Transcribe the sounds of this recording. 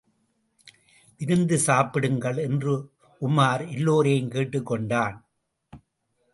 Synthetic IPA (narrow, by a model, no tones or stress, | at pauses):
ʔɪɾɯnd̪ɯsaːpɪɽɯŋɡɐɭɛndrɯ | ʊmaːɾɪlːoːɾeːɯmkeːʈːɯkːɔɳɖaːn